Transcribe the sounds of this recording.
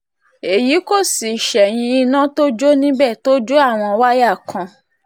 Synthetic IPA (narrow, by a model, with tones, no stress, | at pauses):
e˨ji˨˦ko˦˨si˨ʃɛ˨j̃ĩ˧i˧nã˦to˦d͡ʒo˦nĩ˦bɛ˦˨to˦d͡ʒo˦a˦˨w̃ɔ̃˧wa˦ja˦˨kʰã˧